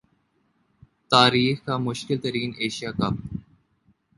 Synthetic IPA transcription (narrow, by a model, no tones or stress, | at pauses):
t̪aːɾiːxkaːmʊʃkɪlt̪ɐɾiːneːʃijaːkɐp